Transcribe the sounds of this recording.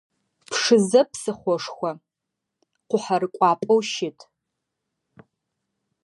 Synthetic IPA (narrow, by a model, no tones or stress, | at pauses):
pʰʂɨzɐpʰsɨχʷɔʂxʷɐ | qʷʊħarɨkʷʼɑːpʼowʃɪtʰʼ